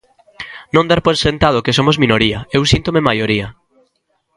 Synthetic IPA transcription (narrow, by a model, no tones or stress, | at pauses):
nõnd̪aɾpojsent̪að̞okes̬omozmĩnoɾiɐewsint̪omemajoɾiɐ